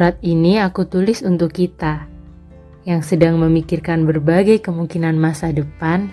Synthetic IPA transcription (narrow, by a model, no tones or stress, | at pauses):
uɾat̪̚iniakut̪ulɪsunt̪ʊkːit̪a | jaŋsədaŋməmikirkanbərbaɡajkəmuŋkinanmasadəpan